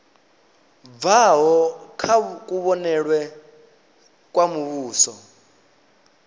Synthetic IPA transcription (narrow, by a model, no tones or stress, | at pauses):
vaɦɔkʰak̬ʼuβɔnɛɺwɛ | kʼwamuβuːsɔ